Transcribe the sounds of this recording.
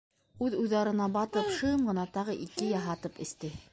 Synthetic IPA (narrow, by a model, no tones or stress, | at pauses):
ʉðujðɑɾɤ̆nɑbɑt̪ɤpʃɤɴɢɤ̆nɑt̪ɑʁɤʔikɘjɑɦɑt̪ɤpɘ̆st̪ɘ